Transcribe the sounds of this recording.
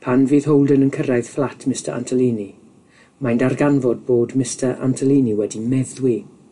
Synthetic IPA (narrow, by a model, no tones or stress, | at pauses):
pʰanviːðɦowlˠdənənkʰəɾajð̥flˠatʰmɪstəɾʔa̰ntʰəlˠiːni | majndarɡanvɔd̚boːdmɪstəɾʔa̰ntʰəlˠiːniwɛdimɛðwi